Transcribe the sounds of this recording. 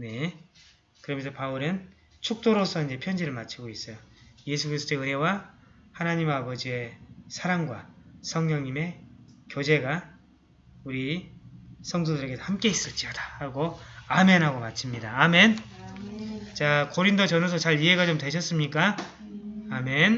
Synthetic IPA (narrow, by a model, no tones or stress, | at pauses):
ne̞ | kɯɾʌmjʌnsʰʌpauɾɯn | t͡ɕʰuk̚t͈oɾosʰʌind͡ʑe̞pʰjʌnd͡ʑiɾɯɭmat͡ɕʰiɡois͈ʌjoje̞sʰukɯɾisʰɯt͈oeɯɦe̞wa | hanaɲimabʌd͡ʑie̞sʰaɾaŋɡwa̰sʰʌŋɲʌŋɲime̞kjod͡ʑe̞ɡa | uɾi | sʰʌŋdodɯɾeɡesʰhamk͈e̞is͈ʌɭt͡ɕ͈iodḁhaɡoame̞nɦaɡomat͡ɕʰimɲidaːme̞n | t͡ɕakoɾindot͡ɕʌnos̬ʰʌt͡ɕaɾiɦe̞ɡat͡ɕomtwe̞ɕʰʌs͈ɯmɲik͈a | amen